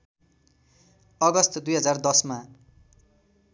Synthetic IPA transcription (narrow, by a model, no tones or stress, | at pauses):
ʌɡʌst̪ʰʌd̪ujɦʌd͡zard̪ʌsma